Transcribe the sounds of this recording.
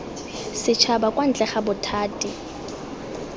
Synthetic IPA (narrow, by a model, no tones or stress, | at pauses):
sɪt͡ʃʰabakʼwan̩t͡ɬʼɛχabʊtʰaːtʼi